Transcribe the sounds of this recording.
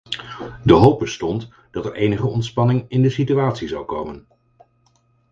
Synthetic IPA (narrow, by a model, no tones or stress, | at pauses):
dəɦowb̚bəstɔnt | d̥ɑtɛɹʔejnəχəɔntspɑnɪŋɪndəsityaːtsizɑwkowmən